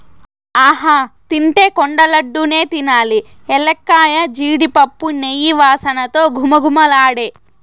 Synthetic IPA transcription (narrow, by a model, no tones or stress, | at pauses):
aːɦaːt̪iɳʈe̞ːkoɳɖɐlɐɖːune̞ːt̪inaːli | ɛlekːaːjɐd͡ʒiːɽipɐpːunejiʋaːsɐnɐt̪o̞ːɡʱumɐɡʱumɐlaːɽeː